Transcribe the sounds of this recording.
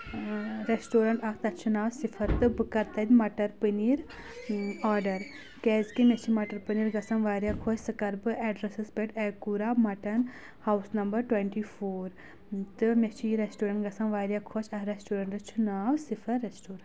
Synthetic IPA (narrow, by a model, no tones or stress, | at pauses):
ɾesʈoːɾɐɳʈɐkʰt̪ɐt͡ʃʰunaːʋsifʰɐɾt̪ɨbɨkɐɾt̪ɐd̪ʲmɐʈɐɾpɨniɾ | aːɾɖɐɾ | kɛːzkimet͡ʃʰimɐʈɐɾpɨniːɾɡɐsɐnʋaːɾjakʰoːt͡ʃsɨkɐɾbɨʔɛːɖɾɐsɨspeʈekuɾaːmɐʈɐn | haːwsnɐmbɐɾʈweɳʈifʰoːɾ | t̪ɨmet͡ʃʰiɾesʈoːɾɐɳʈɡɐsɐnʋaːɾʲjakʰoːt͡ʃʰɐkɾesʈoːɾɐɳʈɐt͡ʃʰunaːʋsifʰɐɾesʈoːɾɐɳ